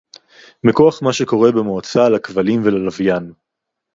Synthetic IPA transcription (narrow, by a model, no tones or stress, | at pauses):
mekoaχmaʃe̞ko̞ʁe̞bemoat͡salakvalimvelalavjan